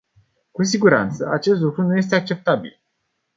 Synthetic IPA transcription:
kus̬iɡuɾa̰nt̪səat͡ʃe̞st̪lukɾunuje̞s̬t̪e̞ak̚t͡ʃe̞p̚t̪abḭl

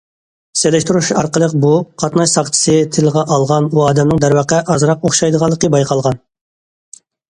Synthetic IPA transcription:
selɛʃt̪uɾuʃɑ̰ɾqəlˠəq̚buqʰɑt̪nɑʃsɑχt̪ʰɨ̥sɨt̪ʰɪləʁɑʔɑlˠʁɑnuɑːd̪ɛmnɨŋd̪æɾwɑqæʔɑzɾɑqoχʃɑjd̪əʁɑlˠːəqəbɑjqʰɑlˠʁɑn

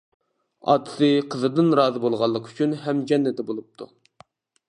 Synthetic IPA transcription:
ɑ̰ːt̪ʰɨ̥sɨqʰəzɨd̪ɨnɾɑːzɨbolˠʁɑlˠːəqy̥t͡ʃʰynɦɛmd͡ʒɛnːɛt̪ɛbolˠup̚t̪ʰu

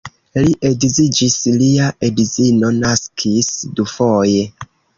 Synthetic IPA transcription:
liʔedizid͡ʒisliaʔedizino̞naskʰisdufoje

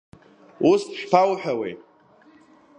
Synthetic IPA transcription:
ustʃpʰawħᶣawḛ

